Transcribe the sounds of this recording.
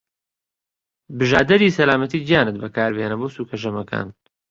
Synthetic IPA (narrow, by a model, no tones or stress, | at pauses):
bɨʒaːd̪ɐɾiːsɐlaːmɐt̪iːd͡ʒjaːnɨt̪̚bɐkaːɾbeːnɐboːwsuːkʰɐʒɐmɐkʰa̰ːn